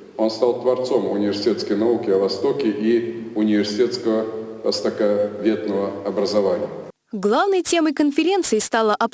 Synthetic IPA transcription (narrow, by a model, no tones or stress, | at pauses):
o̞nst̪alˠt̪vɐrt̪so̞mʊnʲɪvʲɪr̥sʲɪtʲe̞t̪skəjnɐukʲɪɐvɐst̪o̞kʲɪʔiʊnʲɪvʲɪrsʲɪtʲe̞t̪skəvəvɐst̪əkɐvʲe̞t̪nəvəɐbɾəzɐvanʲɪjə | ɡlˠavnəjtʲe̞məjkənfʲɪɾʲe̞nt̪sɨɪst̪alˠəʔɐp